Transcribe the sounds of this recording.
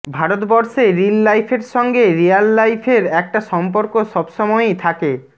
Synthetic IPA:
bʱaɾot̪bɔɾʃeɾillajfʰeɾʃɔŋɡeɾialːajfʰeɾɛk̚ʈaʃɔmp̬oɾkoʃɔbʃɔmɔejt̪ʰake

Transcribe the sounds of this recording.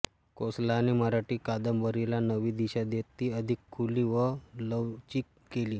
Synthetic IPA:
koslaːniməɾaʈiːkad̪əmbəɾilanəʋiːd̪iɕad̪et̪ːiːəd̪ʱikʰːuliːʋələʋt͡ɕiːk | keliː

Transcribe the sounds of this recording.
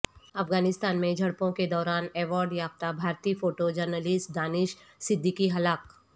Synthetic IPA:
ɐfɡaːnɪst̪aːnmẽd͡ʒʱɐɽpõked̪ɔːɾaːnɛːʋaːɾɖjaːp̚t̪abʱaːɾt̪iːfoːʈod͡ʒəɾnəlɪsʈd̪aːnɪʃ | sɪd̪ʱːikiɦɐlaːk

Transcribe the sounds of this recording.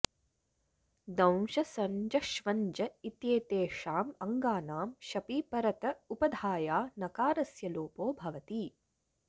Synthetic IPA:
d̪ɐ̃w̃ʃɐsɐɲd͡ʒɐʃʋɐɲd͡ʒɐit̪jeːt̪eːʂaːmɐŋɡaːnaːmʃɐpiːpɐɾɐt̪ɐupɐd̪ʱaːjaːnɐkaːɾɐsjɐloːpoːbʱɐʋɐt̪iː

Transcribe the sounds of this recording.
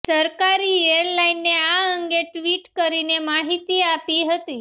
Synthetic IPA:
səɾkaɾieɾlainːeaəŋɡeʈʋiʈkəɾinemaɦit̪iapiɦət̪i

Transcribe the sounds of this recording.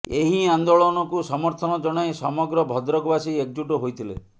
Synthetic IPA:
eɦiand̪oɭɔnɔkusɔmɔɾt̪ʰɔnɔd͡ʒɔɽ̃aesɔmɔɡɾɔbʱɔd̪ɾɔɡɔbasiek̚d͡ʒuʈɔɦojt̪ʰilḛ

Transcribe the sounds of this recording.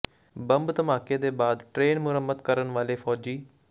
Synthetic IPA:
bəmbt̪əmaːkeːd̪eːbaːd̪ʈɾeːnmʊɾəmːəd̪kəɾənʋaːleːpʰɔːd͡ʒiː

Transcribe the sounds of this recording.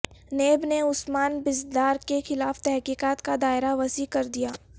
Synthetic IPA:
neːbneʊsmaːnbɪzd̪aːɾkexɪlaːft̪ɛɦkiːkaːt̪kad̪aːɪɾaʋɐsikɐɾd̪ijaː

